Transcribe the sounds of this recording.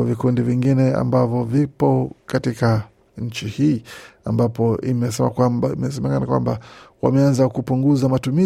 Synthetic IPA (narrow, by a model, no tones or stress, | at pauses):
vikundiviŋɡinɛa̰mbavɔvipɔkatika | ɲ̩t͡ʃihiːambapɔimɛsɛmakwamaimɛsɛmɛkanakwa̰mbawa̰mɛanzakupuŋɡuzamatumi